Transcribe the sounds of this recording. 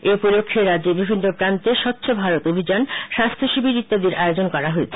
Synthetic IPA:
epod̪okʰːeɾad͡ʑebibʱinːopɾant̪eʃɔpːt͡ɕʰobʱaɾot̪obʱid͡ʑanʃast̪ʰoʃibʱiɾit̪ːad̪iɾʔaeod͡ʑonkɔɾaɦoet͡ɕʰe̥

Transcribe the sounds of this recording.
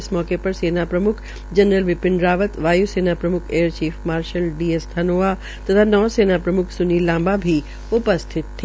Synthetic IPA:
smɔːkepɐɾseːnapɾɐmʊkʰ | d͡ʒənɾəlʋɪpɪɳɖɾaːʋət̪ʋaːjuseːnapɾɐmʊkʰeːəɾt͡ʃiːfmaːɾʃəlɖiest̪ʰanoːa | t̪ət̪ʰanɔːseːnapɾɐmʊkʰsʊnilãːmbabʱi | ʊpəst̪ʰɪt̪ʰː

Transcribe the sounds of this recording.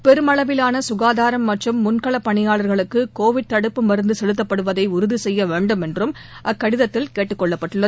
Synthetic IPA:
pɛɾɯmɐɭɐʋɪlaːnɐsʊɣaːðaːɾɐmːɐʈrɯmːʊnkɐɭɐpːɐɳɪjaːɭɐɾɣɐɭɯkːɯkoːʋɪɖ̚t̪ɐɽɯpːɯmɐɾɯnd̪ɯsɛlɯt̪ːɐpːɐɽɯʋɐðɐɪʊɾɯðisɛjːɐʋeːɳɖɯmɛndrɯm | ʔɐkːɐɽɪðɐt̪ːɪlkeːʈːɯkːɔɭːɐpːɐʈːɯɭːɐ

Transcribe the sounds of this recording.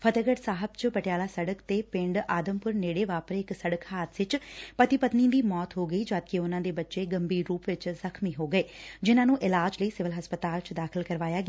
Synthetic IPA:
pʰət̪əɡəʈsaːɦəbt͡ʃpəʈjaːlaːsəɽəkt̪eːpɪ̃ɳɖaːd̪əmpʊɾneːɽeːʋaːpəɾɪksəɽəkʰhaːt̪sɪt͡ʃpət̪ipət̪nĩd̪iːmɔːt̪ɦoːɡəiːd͡ʒaːd̪keʊnãːd̪eːbətːʃeːɡəmbiːɾuːpʋɪt͡ʃzəkʰmiːɦoːɡəeːd͡ʒɪnãːnũːʔɪlaːd͡ʒləiːsɪʋəlɦəspət̪aːlt͡ʃd̪aːkʰəlkəɾʋaːjaːɡɪ

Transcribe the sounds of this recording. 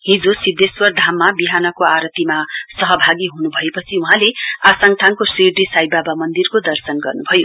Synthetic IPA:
ɦĩd͡zosid̪eswʌrd̪ʱamːabiɦanʌkoaɾʌt̪imasʌɦʌbʱaɡiɦunubʱʌepʌt͡sʰiuɦãleasaŋʈ̪ʰaŋkoseɖisajbabamʌnd̪irkod̪ʌrsʌnɡʌrnubʱʌjo

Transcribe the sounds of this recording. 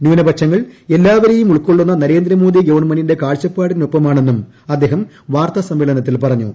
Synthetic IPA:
njuːnɐbɐkʂɐŋːɐɭe̞lːaːʋɐɾejumuɭkːoɭːunːɐnɐɾe̞ːnd̪ɾɐmoːd̪iɡɐʋɐɳmɐnːinde̞kaːɭt͡ɕːɐpːaːɽinopːɐmaːɳe̞nːum | ɐd̪ːe̞ːɦɐm | ʋaːrt̪ɐsɐmʋeɭɐnɐt̪ːilpɐrɐɲːṵ

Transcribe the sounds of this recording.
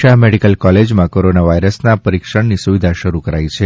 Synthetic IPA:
ameɖikəlkɔled͡ʒmãkoɾonaʋaiɾəsnapəɾikʃəɽnisuʋid̪ʱaʃəɾukəɾajt͡ʃʰe

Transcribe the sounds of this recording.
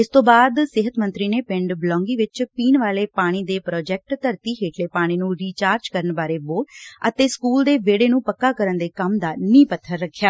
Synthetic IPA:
ɪst̪õːbaːd̪sɪɦət̪mənt̪ɾiːneːpɪɳɖblɔ̃ːŋɡiːʋɪt͡ʃpiːnʋaːleːpaːɽ̃iːd̪eːpɾɔːd͡ʒɛːk̚ʈt̪əɾt̪iːɦeːʈʰleːpaːɽ̃iːnũːɾiːt͡ʃaːɾd͡ʒkəɾəɳbaːɾeːboːʈət̪eːskuːld̪eːʋeːɽeːnũːpəkːaːkəɾənd̪eːkəmd̪aːnĩːpət̪ʰːəɾːəkʰːjaː

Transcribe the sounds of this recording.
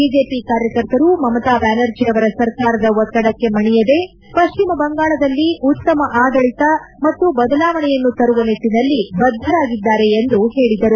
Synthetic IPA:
biːd͡ʒe̞ːpikaːɾjɐkɐɾt̪ɐɾumɐmɐt̪aːbaːnɐɾd͡ʒiɐʋɐɾɐsɐɾkaːɾɐd̪ɐʋɔt̪ːɐɽɐkːe̞mɐɳɛjɐd̪e̞ | pɐʃt͡ʃimɐbɐŋɡaːɭɐd̪ɐlːiʔut̪ːɐmɐʔaːd̪ɐɭit̪ɐ | mɐt̪ːubɐd̪ɐlaːʋɐɳɛjɐnːut̪ɐɾuʋɐnet̪ːinɐlːibɐd̪ʱːɐɾaːɡid̪ːaːɾe̞ːnd̪uheːɭid̪ɐɾu

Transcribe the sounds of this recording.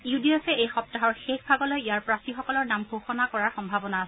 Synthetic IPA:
iudiɔsɛejxɔp̚taɦɔɹxexbʱaɡɔlɔjejaɹpɹasixɔkɔlɔɹnamɡʱoxɔnakɔɹaɹxɔmbʱabɔnaːsɛ

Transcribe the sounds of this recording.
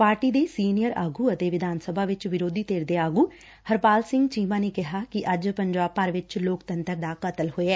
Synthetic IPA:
paːɾʈiːd̪eːsiːnɪjəɾa̰ːɡuːət̪eːʋɪd̪ʱaːnsəbʱaːʋɪt͡ʃʋɪɾoːd̪iːt̪eːɾd̪eːaːɡuː | həɾpaːlsɪ̃ŋɡt͡ʃiːmãːneːkɪɦaːkɪʔəd͡ʒpəɲd͡ʒaːb̚pəɾʋɪt͡ʃloːkt̪ənt̪əɾd̪aːkət̪əlɦoːeɛː

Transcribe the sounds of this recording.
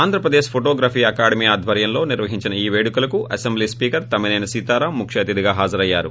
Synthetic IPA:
aːnd̪ʱɾɐpɾɐd̪eːʃpʰoʈoːɡɾaːpiːɐkaːɽɐmiːaːd̪ʱʋɐɾjɐmlo̞ːniɾʋɐɦiɲt͡ʃinɐiːʋe̞ːɽukulɐkuɐsembliːspiːkɐɾt̪ɐminɐjnɐsiːt̪aːɾaːmːukʂɐːt̪id̪iɡaːɦaːd͡ʒɐɾɐjːa̰ːɾṵ

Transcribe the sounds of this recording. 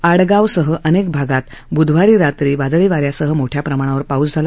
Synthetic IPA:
aɽɡawsəɦəʔənek̚bʱaɡat̪bud̪ʱʋ̤aɾiːɾat̪ɾiːbad̪ɭiʋaɾjasəɦəmoʈʰjapɾəmaɽ̃aʋəɾpaut͡sd͡zʱala

